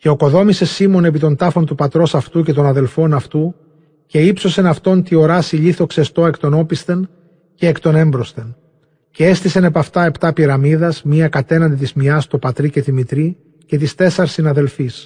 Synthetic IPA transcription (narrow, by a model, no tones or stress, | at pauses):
ceo̞ko̞ðo̞mise̞simo̞ne̞p̬it̪o̞nt̪ɐfo̞nt̪upɐt̪ɾo̞sɐft̪uce̞t̪o̞nɐðe̞lfo̞nɐft̪u | ce̞ipso̞se̞nɐft̪o̞nt̪io̞ɾɐsiʎiθo̞ksest̪o̞e̞kt̪o̞no̞pist̪e̞n | ce̞ːkt̪o̞ne̞mbɾo̞st̪e̞n | ceest̪isene̞pɐft̪ɐe̞pt̪ɐpiɾɐmiðɐzmiɐkɐt̪e̞nɐnd̪it̪izmiɐst̪opɐt̪ɾice̞t̪imit̪ɾi | ce̞t̪̬ist̪e̞sɐɾsinɐðe̞lfis